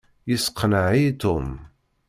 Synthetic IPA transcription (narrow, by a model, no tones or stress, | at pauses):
jəsqʰːnəʕit̪ʊm